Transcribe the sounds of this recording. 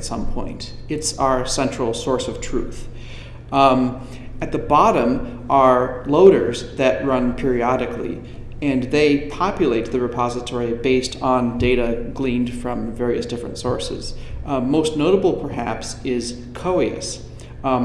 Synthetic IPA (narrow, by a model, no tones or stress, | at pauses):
tsʌ̃mpʰɔ̰̃ɪ̃ntɨtsaə˞sɛ̃nt͡ʃɹ̥l̩ˠsɔɹsʌv̥tʰɹ̥ʉ̰θ | ɨt̪̚ðɨbɑɾə̃m | ʔə˞loʊɾə̰˞zðɨʔ̚ɹʌ̃npʰɪɹiɑɾɨklḭ | ɨ̃nðeɪpʰɑpjɨleɪt̪̚ðɨɹɨpʰɑzɨtʰɔɹibeɪstn̩deɪɾɨɡlĩnd̥fɹʌ̃ɱvɛɹiɨsd̥ɪfɹɨ̰̃ntsɔ̰ɹsɨ̰z̥moʊstⁿnoʊɾəbl̩ˠpʰə˞ɦæ̰psɪz̥ | kʰoʊiɨ̰s